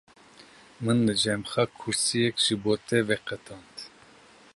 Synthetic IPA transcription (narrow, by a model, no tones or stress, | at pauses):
mɨnlɨd͡ʒɛmxɑkʰuɾsijɛkʒ̥ɨboːt̪ɛvɛqʰɛt̪ʰɑnt̪